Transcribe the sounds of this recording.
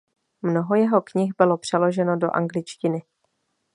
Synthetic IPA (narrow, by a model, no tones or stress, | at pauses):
mno̞ɦo̞jɛɦo̞kɲɪxbɪlo̞pr̥ɛlo̞ʒɛno̞do̞̰ʔa̰ŋɡlɪt͡ʃcɪnɪ